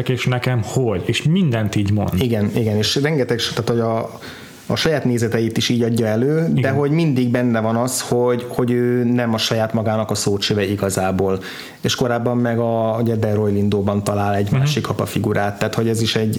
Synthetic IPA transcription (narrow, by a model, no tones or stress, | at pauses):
keːʃnɛkɛmhoɟeːʃmind̪ɛnt̪iːɟmo̰nd̪iɡɛniɡɛneːʃrɛŋɡɛt̪ɛkʃt̪aːt̪hoɟɒː | ʃɒjaːt̪neːzɛt̪ɛjit̪iʃiːɟɒɟːɒɛløːd̪ɛɦo̞ɟmind̪iɡ̚bɛnːɛvɒnɒsho̞ɟho̞ɟøːnɛmɒʃɒjaːt̪mɒɡaːnɒkɒsoːt͡ʃøːvɛiɡɒzaːboːl | eːʃko̞ɾaːbːɒmːɛɡɒuɟɛd̪ɛro̞jlind̪oːbɒnt̪ɒlaːlɛɟmaːʃikʰɒpɒfiɡuɾʔaːt̪ːaːt̪ho̞ɟɛziʃɛɟ